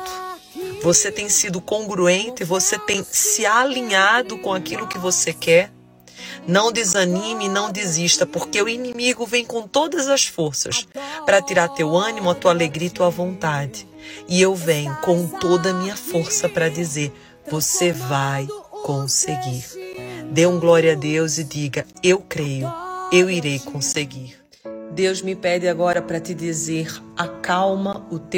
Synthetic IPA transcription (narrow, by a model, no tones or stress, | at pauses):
voset̪ẽj̃sid̪ʊkõŋɡɾuẽnt̪ɪvoset̪ẽj̃sɪalĩɲad̪ʊkõakilʊkɪvosekɛɾ | nɐ̃w̃d̪ɪzɐnĩmɪnɐ̃w̃d̪iziʃt̪ɐpoɾkeʊinĩmiɡʊvẽj̃kõw̃t̪od̪ɐzɐsfoɾsɐ̰spɾɐt̪iɾaɾt̪ewɐ̃nĩmʊɐt̪ualeɡɾit̪uɐvõnt̪ad͡ʒɪ | ɪewvẽɲʊkõw̃t̪od̪ɐmĩɲɐfoɾsɐpɾɐd͡ʒizeɾ | vosevajkõseɡiɾd̪ẽɡlɔɾjɐad̪ewzɪd͡ʒiɡɐewkɾejʊewiɾejkõseɡiɾ | d̪ewzmɪpɛd͡ʒɪaɡɔɾɐpɾɐt̪ɪd͡ʒ̪izeɾakawmɐʊt̪e